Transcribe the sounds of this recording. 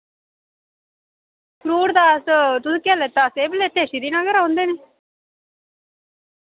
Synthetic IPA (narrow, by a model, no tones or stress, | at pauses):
kɾuːɽd̪aːst̪ʊsĩːkaːleːt̪aːseːbəleːt̪eːʃiːd̪iːnãːɡəɾãõnd̪eːneː